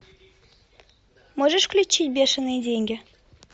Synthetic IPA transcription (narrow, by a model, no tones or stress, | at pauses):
mɤʐɘ̆ʂklʲut͡ɕːit̚ʲbʲeʂɤ̆nidʲeŋʲɡʲɘ̆